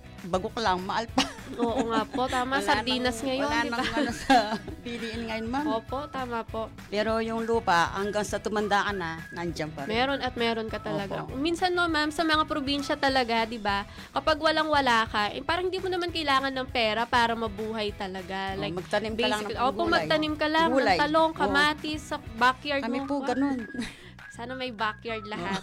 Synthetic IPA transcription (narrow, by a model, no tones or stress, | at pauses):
bɐɡʊklaŋmɐʔalpaʔoːʔŋapo̞t̪aːmɐsɐɾd̪iːnɐsŋɐjonɪbasɐpɪliʔɪnŋɐjonmamoːpo̞ʔt̪aːmɐpo̞ʔpɛːɾo̞jʊŋluːpaʔhɐŋɡaŋsɐt̪ʊmɐnd̪akɐnanɐnd͡ʒampamɛːɾo̞nɐt̪̚mɛːɾo̞nkɐt̪ɐlɐɡa̰kminsɐnːomamsɐmɐŋapɾobinʃɐt̪ɐlɐɡad̪ɪba | kɐpaɡwɐlaŋwɐlaːkɐʔpaːɾɐŋhɪnd̪iːmʊnɐmankɐjlaːŋɐnːɐŋpɛːɾɐpaːɾɐmɐbuːɦɐjt̪ɐlɐɡalajkmɐt̪ɐnimbɛjsɪkliʔopomɐɡ̪ɐnimkɐlaŋuljt̪ɐloŋkɐmaːt̪ɪsɐbakjaɹdkɐmipoɡɐnon | saːnɐmɐjbakjaɹd̪̚lɐɦat̪